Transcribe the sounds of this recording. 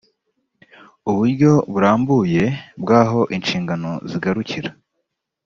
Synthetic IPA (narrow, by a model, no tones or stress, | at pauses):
uβuɾɟo̞βuɾaːmbuje̞bɡaːɦo̞ʔinʃiːŋɡano̞ziɡaɾuciɾa